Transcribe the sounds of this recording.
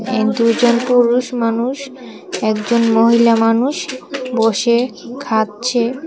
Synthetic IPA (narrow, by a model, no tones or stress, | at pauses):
ed̪ud͡ʑonpuɾuʃmanuʃ | ɛkd͡ʑonmoɦilamanuʃboʃekʰat̪̚t͡ɕʰe